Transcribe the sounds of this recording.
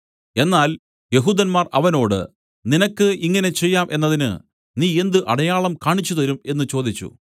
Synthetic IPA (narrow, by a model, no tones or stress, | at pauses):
e̞nːaːl | je̞ɦuːd̪ɐnmaːrɐ̰ʋɐno̞ːɽɨ̰ | ninɐkːɨiŋːɐne̞t͡ɕejːaːmʔe̞nːɐðinɨ̰ | niːe̞nd̪ɨʔɐɽɐjaːɭɐmkaːɳit͡ɕːuðɐɾume̞nːɨt͡ɕo̞ːd̪it͡ɕːṵ